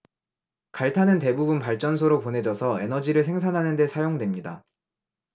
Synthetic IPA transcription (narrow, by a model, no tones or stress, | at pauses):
kaɭtʰanɯnte̞bubunpaɭt͡ɕ͈ʌns̬ʰoɾopone̞d͡ʑʌsʰʌe̞nʌd͡ʑiɾɯɭsʰe̞ŋsʰanɦanɯnde̞sʰajoŋdwemɲida̰